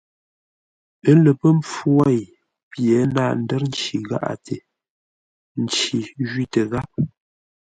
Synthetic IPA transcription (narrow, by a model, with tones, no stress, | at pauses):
ə˦lə˨pə˦mp͡fwa˦˨j | pjɛ˨˦naː˦˨n̩˦dɛ˦ɾn̩˦t͡ʃi˨ɣa̰˦ʔa̰˨tʰe˨ | n̩˨t͡ʃi˨ʒɥi˦tə˨ɣa˦p̚